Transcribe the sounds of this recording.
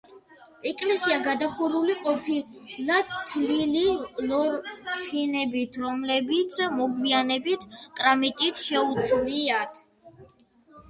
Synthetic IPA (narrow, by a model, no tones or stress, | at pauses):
ɛkʼlɛsiaɡad̪aχuɾuliqʼɔpʰilat̪ʰlililɔɾfinɛbit̪ʰɾɔmlɛbit̪sʰmɔɡwianɛbit̪ʰkʼɾamit̪ʼit̪ʰʃɛut̪sʼliat̪ʰ